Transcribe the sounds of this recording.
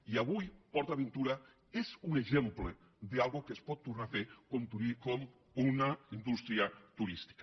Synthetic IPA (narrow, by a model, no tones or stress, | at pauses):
iaβujpɔɾt̪aβent̪uɾa | ezuneʒemple | d̪ealˠɣokespɔt̪ːuɾnafeɾkont̪ɾuikɔm | unaind̪ust̪ɾiat̪uɾist̪i̥ka